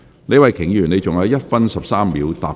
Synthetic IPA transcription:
ne˨˧jwɐ˨˩jkʰɪ˨˩ŋjyː˨˩ne˨˧jt͡sʊ˨ŋjɐː˨˧˥wjɐ˥t̚fɐ˥nsɐ˨p̚saː˥mliː˨˧wt̪a̰ː˨˩p

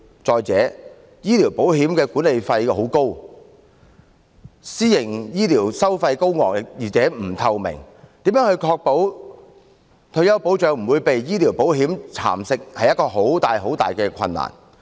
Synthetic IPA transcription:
t͡sɔː˨jt͡sɛː˨˥ | jiː˥li˨˩wpo˨˥wɦiː˨˥mkɛː˧kuː˨˥nle˨jfɐ˧jho˨˥wko˥w | siː˥jɪ˨˩ŋjiː˥liː˨˩wsɐ˥wfɐ˧jko˥wŋɔː˨kjiː˨t͡sɛː˨˥m̩˨˩t̪ʰɐ˧wmɪ̰˨˩ŋ | t̪iː˨˥mjœː˨˥ŋhɵ˧jkʰɔː˧k̚po˨˥w | t̪ʰɵ˧ɥjɐ˥wpo˨˥wt͡ʃœː˨˥ŋm̩˨˩wuː˨˧jpe˨jjiː˥liː˨˩wpo˨˥wɦiː˨˥mt͡sʰa̰ː˨˩msɪ˧k̚hɐ˨jɐ˥t̚kɔː˧ɦo˨˥wt̪aː˨jɦo˨˥wt̪a̰ː˨jkɛː˧kʰɐ̰˧nːa̰ː˨˩n

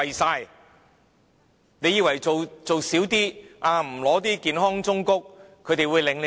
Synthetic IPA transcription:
ɐ˨jsaː˧j | ne˨˧jiː˧wɐ˨˩jt͡so˨wt͡so˨wsiː˨˥wt̪iː˥ʔaː˧m̩˨˩lɔː˨˥t̪̬iː˥kiː˨nɦɔː˥ŋt͡sʊ˥ŋkʊ˥k̚ʰː | ɵ˧ɥt̪e˨jwuː˨˧jlɪ˨˧ŋle˨

